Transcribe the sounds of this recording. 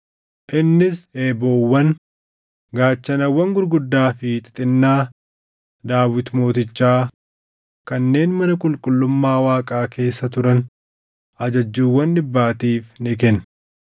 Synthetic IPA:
ʔɪnːɪse̞ːboːwːɐn | ɡaːt͡ʃːɐnɐwːɐŋɡʊɾɡʊd̪ːaːfɪt̪ʼɪ̥t̪ʼɪnːaː | d̪aːwɪt̪mo̞ːt̪ɪt͡ʃːaː | kɐnːe̞ːnmɐnɐkʼʊlkʼʊlːʊmːaːwaːkʼaːkʰe̞ːsːɐt̪ʊɾɐn | ɐd͡ʒɐd͡ʒːuːwːɐnːɪbːaːt̪iːfnɪkɛn

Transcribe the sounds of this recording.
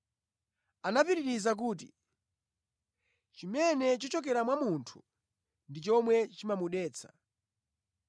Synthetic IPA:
anapiɾiɾizak̬uːt̬ḭ | t͡ʃimɛnɛt͡ʃɔt͡ʃɔk̬ɛɾamwamuntʰu̥ | ndit͡ʃɔmwɛt͡ʃimamuɗɛːt͡sʰḁ̰

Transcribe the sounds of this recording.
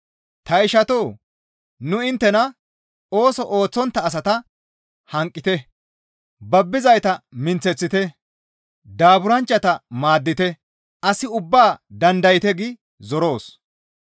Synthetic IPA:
t̪ɐɪʃɐt̪oː | nʊɪnt̪ːɛnɐ | oːsɔʔoːt͡sːɔnt̪ːɐːs̬ɐt̪ɐ | hɐŋkʼːɪt̪ɛ | bɐbːɪzɐjt̪ɐmɪnt͡sːɛt͡sːɪt̪ɛ | d̪aːbʊɾɐnt͡ʃːɐt̪ɐmaːd̪ːɪt̪ɛ | ɐsɪʊbːaːd̪ɐnd̪ɐjɪt̪ɛɡɪ | zɔɾo̞ːs

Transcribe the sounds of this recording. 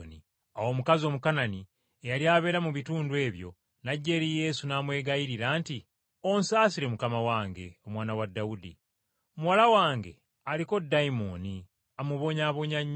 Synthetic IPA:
ni | awo̞ːmukazo̞mukanani | ejaljaːβe̞ːɾamuβituːndwe̞ːβjo̞̰ | naɟːeɾije̞ːsunaːmwe̞ːɡajiɾiɾaːnti | o̞nsaːsiɾe̞mukamawaːŋɡe̞̰o̞mwaːnawadːaudḭ | omuwalawaːŋɡe̞̰ | aliko̞dːaimoni | amuβo̞ːɲaːβo̞ɲaɲː

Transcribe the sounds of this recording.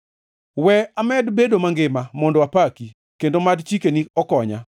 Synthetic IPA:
wɛamɛdbedomaŋɡɪmamɔndɔapaki | kendomadt͡ʃikeniɔkɔɲa̰

